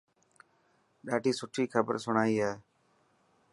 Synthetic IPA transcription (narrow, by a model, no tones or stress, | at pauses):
ɗaːɖʱiːsʊʈʰiːkʰəbə̰ɾsʊɳaːiːɦɛː